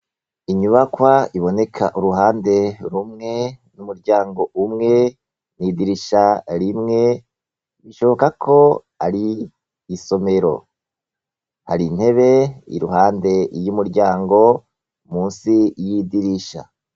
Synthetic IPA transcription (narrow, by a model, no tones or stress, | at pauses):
iɲuβakwaiβo̞ne̞kʰaʔuɾuɦaːnde̞ɾumŋe̞numuɾɟaːŋɡo̞umŋe̞ | niːdiɾiʃaɾimŋe̞ | βiʃo̞βo̞kakʰo̞ | aɾi | iso̞me̞ɾo̞̰ | haɾinhe̞βe̞ḭɾuɦaːnde̞jumuɾɟaːŋɡo̞ | muːnsijidiɾiʃa̰